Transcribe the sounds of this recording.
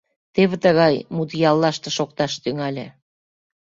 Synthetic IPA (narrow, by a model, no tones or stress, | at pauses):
t̪eβĕt̪ə̆ɣɑjmut̪jɑlːɑʃt̪ĕʃok̚t̪ɑʃt̪yŋɑlʲḛ̆